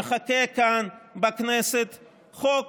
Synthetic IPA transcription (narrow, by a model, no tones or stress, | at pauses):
xɐkeːkaːnbɐkneːsɪt̪ | χoːk